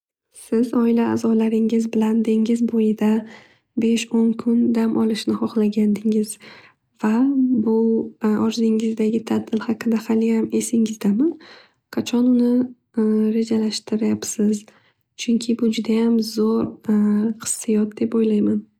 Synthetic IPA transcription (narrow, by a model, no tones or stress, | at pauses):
sɪzɒɪla̰ːzɒlaɾɪŋɪzbɪland̪ɪŋɪzbojɪd̪a | be̞ʃonkʰʊnd̪amʔɒlˠɪʃnɪhɒχlaɡʲand̪ɪŋɪz̥ | vabʊɒɾzɪŋɪzd̪aɡʲɪt̪ʰad̪ɪlˠhaqɨnd̪ahalɪhame̞sɪŋɪzd̪aman | qʰɑt͡ʃʰɒnʊnɪ | ɾe̞d͡ʒalaʃt̪ɪɾajapsɪz | t͡ʃʰʊŋkʲʰɪbʊd͡ʒʊd̪ajamzoɾ | qʰɨ̥sːɪjɒt̪̚d̪e̞pojlajman